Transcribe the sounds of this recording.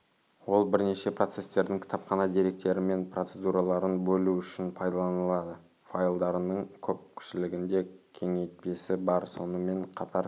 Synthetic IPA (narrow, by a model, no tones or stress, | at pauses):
wo̞lˠbɪɾne̞ʃe̞pro̞t̪se̞st̪e̞ɾd̪ɪŋkʰʲɪ̥t̪ʰɑpχɑnɑd̪iɾe̞k̚t̪e̞ɾɪme̞npro̞t̪sed̪uɾɑlˠɑɾənbɵluʏʃɪnpʰɑjd̪ɑlˠɑnəlˠɑd̪ə | fajlˠd̪ɑɾənəɴkʲʰɵp̚kʲʰʏ̥ʃɪlɪɡʲɪnd̪e̞kʲʰe̞ŋe̞jt̪̚pe̞sɪbɑɾso̞nəme̞ɴqʰɑt̪ʰɑɾ